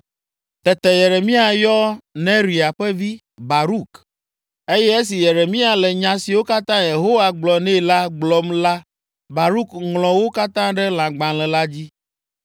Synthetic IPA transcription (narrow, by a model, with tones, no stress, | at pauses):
t̪ɛ˨t̪ɛ˨je˨ɾe˨mĩ˦a˨jɔ˦nẽ˦ɾi˨a˨ɸɛ˦vi˦ | ba˨ɾu˦k | e˦jɛ˦e˦s̬i˨je˨ɾe˨mĩ˦a˨lɛ˨ɲã˨si˨wo˦ka˦t̪ã˦je˨ɦo˦wa˨ɡ͡blɔ˨nɛ̃˦la˦ɡ͡blɔ˨mla˦ | ba˨ɾu˦kŋlɔ̃˨wo˦ka˦t̪ã˦ɖɛ˦l̃ã˨ɡ͡bã˨lɛ˨la˦d͡ʑi˦